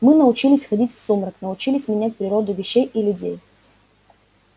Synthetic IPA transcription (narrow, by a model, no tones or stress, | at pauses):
mɨnəʊt͡ɕilʲɪsʲxɐdʲitʲfsumɾəknəʊt͡ɕilʲɪsʲmʲɪnʲæt̚ʲpɾʲɪɾo̞d̪ʊvʲɪɕːejʔilʲʊdʲḛj